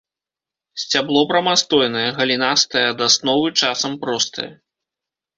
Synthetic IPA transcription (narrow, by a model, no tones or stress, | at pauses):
sʲt͡sʲablˠɔbɾɐmast̪ɔjnɐjɐɣɐlʲinast̪ɐjɐːd̪asnɔvɨt͡ʂasɐmpɾɔst̪ʰɐ̰jɐ